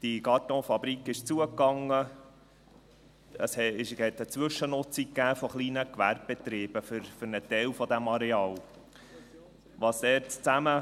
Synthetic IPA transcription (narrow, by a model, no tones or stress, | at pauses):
d̥iɡɑtɔ̃fɑbɾikɪʃt͡suəkːɑŋːə | əsɪhɛt̪ət͡sʋɵʃːənʊt͡sikːæːfoχliːnəkʋæɾb̚b̥ɛt̪ɾiːb̥əfʏɾfʏɾnət̪ɛlfɔd̪æmɑɾɛɑːl | ʋɑsd̪ɛːɾtt͡sæmə